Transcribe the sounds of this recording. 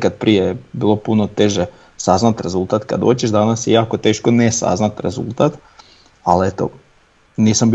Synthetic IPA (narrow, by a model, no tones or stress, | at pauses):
kad̪̚pɾijejebiːlˠo̞punot̪eʒe | saznat̪ɾe̞zulˠt̪at̪ka̰d̪oːt͡ɕeʃd̪anasjejaːkot̪e̞ːʃkonesa̰znat̪ɾe̞zṵlˠt̪at̪ | alet̪o̰ | niːsamb